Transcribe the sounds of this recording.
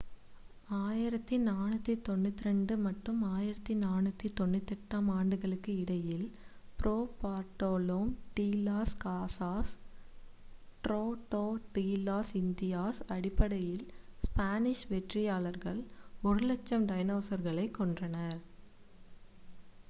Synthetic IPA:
aːjɪɾɐt̪ːinaːnɯt̪ːit̪ɔnːɯt̪ːɪɾɛɳɖɯmɐʈːɯmaːjɪɾɐt̪ːinaːnɯt̪ːit̪ːɔnːɯt̪ːɛʈːaːmaːɳɖɯɣɐɭɯkːɯɪɽɐjɪl | pɪɾoːpaːɾʈoːloːmʈiːlaːskaːsaːs | ʈɾoːʈoːʈiːlaːsɪnd̪ɪjaːsɐɽɪpːɐɽɐjɪlspaːnɪʂʋɛʈrɪjaːɭɐɾɣɐɭɔɾɯlɛt͡ʃːɐmɖɐjnoːsɐɾɣɐɭɐɪkːɔɳdrɐnɐɾ

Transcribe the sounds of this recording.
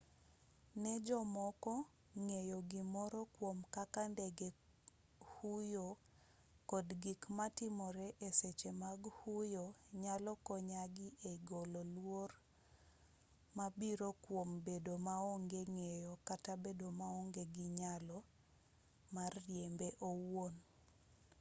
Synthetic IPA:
nɛd͡ʒɔmɔkɔ | ŋejoɡimɔɾɔkwomkakandɛɡe | hujo | kɔdɡikmatɪmɔɾɛʔeset͡ʃemaɡhujoɲalɔkɔɲaɡɪʔeɡololwor | mabiɾokwombedomaoŋɡeŋejokatabedomaoŋɡeɡɪɲalɔ | marːjembeʔowon

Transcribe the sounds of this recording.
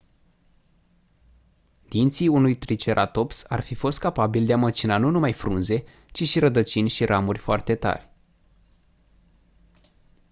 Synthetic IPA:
d̪̥int̪siunujt̪ɾit͡ʃe̞ɾʔa̰t̪o̞psa̰rfifo̞st̪̚kapabild̪eamət͡ʃinanunumajfɾunze̞ | t͡ʃiʃiɾəd̪ət͡ʃinʲʃiɾʔamurʲfoart̪e̞t̪a̰rʲ

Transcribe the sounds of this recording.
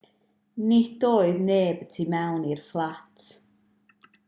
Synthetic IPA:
nid̥oːɨðneːbətʰimɛwnirflˠatʰ

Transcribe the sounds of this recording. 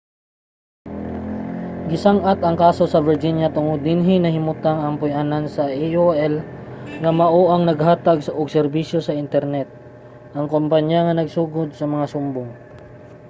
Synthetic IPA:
ɡɪsaŋʔat̪ʔɐŋkaːso̞sɐvɪɹd͡ʒinjɐt̪ʊŋod̪̚nɪnɦɪnɐhɪmʊt̪aŋɐŋpʊjʔanansɐʔioʔɛlŋɐmɐʔoʔɐŋnɐɡhaːt̪aɡsɐʔʊɡ̚sɛɾbisjo̞sɐʔɪnt̪ɛɾnɛt̪̚ | ʔɐŋkompaɲjaŋɐnɐɡsuːɡod̪̚sɐmɐŋasʊmboŋ

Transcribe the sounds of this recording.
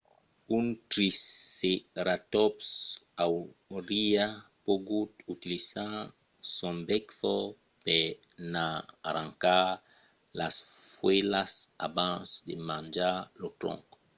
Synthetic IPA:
ũnt̪ɾiseɾat̪ɔpsawɾia | poɡut̪ut̪ilisa | sɔ̃mbɛkfɔ | penaːɾãŋka | lasfwelasa̰bãnsdemãnd͡ʒalot̪ɾɔ̰̃ŋk

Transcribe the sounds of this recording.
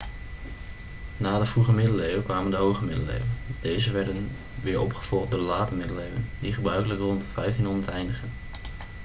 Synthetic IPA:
naːdəvruχəmɪdəlejwəkʋaːməndəɦowχəmɪdəlḛjwd̥ejzəʋɛɹdən | ʋɪːɹɔ̰pχə̥v̥ɔlˠχdʊːdəlaːtəmɪdəlejwəndiχəbrœɥkələkrɔnttrɛɥtɪnɔnətɛjndəχən

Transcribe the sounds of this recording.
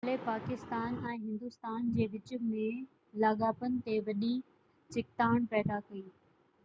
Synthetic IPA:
alepaːkɪst̪aːnɛ̃ːɦɪ̃nd̪ʊst̪aːnd͡ʑeːʋɪt͡ɕʊ̆mɪɽ | laːɠaːpənɪ̆t̪eʋɐɗĩ | t͡ɕɪk̚t̪aːɽ̃pɛːd̪akɐiː

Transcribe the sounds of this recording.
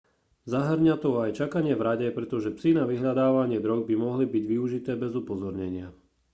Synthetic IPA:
zaɦrɾɲat̪ɔajt͡ʃakaɲɪɛvɾaɟɛpɾɛt̪ɔʒɛpsinaʋiɦʎad̪aːʋaɲɪɛd̪ɾɔɡ̚bimɔɦlibiɟʋiuʒit̪ɛːbɛzupɔzɔɾɲɛɲɪa

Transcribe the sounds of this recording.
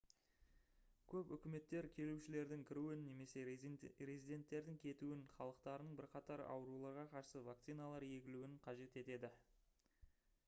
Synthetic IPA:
kʲʰɵpʏkʲɪme̞t̪ːe̞ɾkʲʰe̞luʃɪle̞ɾd̪ɪŋkʲʰɪɾuwɪnːe̞me̞se̞ɾezid̪ʲe̞nt̪ːe̞ɾd̪ɪŋkʲʰe̞t̪uɪnχɑlˠəq̚t̪ɑɾənəɴbɪɾqɑt̪ɑɾɑ̰wəɾulˠɑɾʁɑqʰɑɾsəvak̚t̪sijnalˠɑɾje̞ɡʲɪluwɪɴqʰɑʒe̞t̪e̞t̪e̞d̪ɪ

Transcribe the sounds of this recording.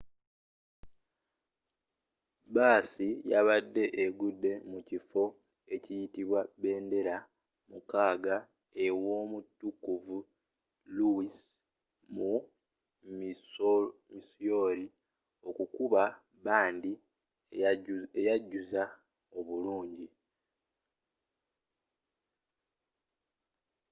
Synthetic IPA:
baːsijaβadːe̞ʔeɡudːe̞mucifo̞ | e̞cijitiβwaβe̞ːnde̞ɾa | mukaːɡa | e̞wo̞mutːukːuvu | luis | mu | m | misjo̞ɾi | o̞kukuβa | βaːndi | ejaɟːuza | o̞βuluːɲɟi

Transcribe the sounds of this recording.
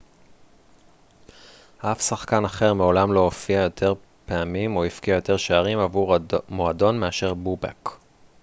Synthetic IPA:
ʔafsaχkanaχe̞ʁmeo̞lamlo̞ofiajo̞tʰe̞ʁ | pe̞amimo̞ifkiajo̞t̪e̞ʁʃeaʁimavumoado̞nmeaʃe̞ʁbuba̰k

